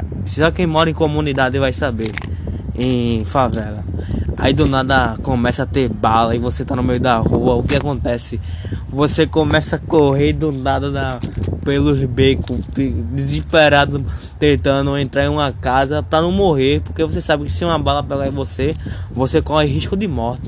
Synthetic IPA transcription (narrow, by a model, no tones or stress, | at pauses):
sʒakẽj̃mɔɾɐẽkomũnid̪ad̪ɪvajsabeɾẽj̃favɛlɐa̰id̪ʊnad̪ɐkõmɛsɐat̪eɾbalɐivoset̪anʊmejʊd̪ahuɐʊkɪakõnt̪ɛsɪvosekõmɛsɐkoɦeɾd̪ʊnad̪ɐd̪ɐpelʊzbekʊtɪd̪iziʃpeɾad̪ʊt̪ẽnt̪ɐ̃nd̪ʊẽnt̪ɾaɾẽũmɐkazɐpɾɐnɐ̃w̃moɦeɾpoɾkevos̬esabɪkɪ̥sɪũɐbalɐpɛɡaĩvosevosekõɛɦiʃkʊd̪ɪmɔɾt̪ɪ̥